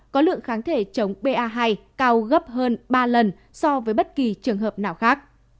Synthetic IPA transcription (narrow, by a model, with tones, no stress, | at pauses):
kɔ˨˦lɨ̰˧˨əŋxaː˨˦nt̪ʰe˧˩t͡ɕə˨˦wŋ͡mɓe˧ʔaː˧ɦaː˧jkaː˧wɣə˦˥p̚ɦəː˧nɓaː˧lə˨˩n | sɔ˧vəː˨˦jɓə˦˥t̚ki˨˩t͡ɕɨ˨˩əŋɦəː˨˩p̚naː˨˩wxaː˦˥k̚